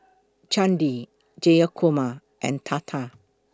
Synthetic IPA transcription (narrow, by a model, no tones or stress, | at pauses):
t͡ʃãndi | d͡ʒejakʰoma | ʔɛ̰̃nt̪ʰat̪ʰa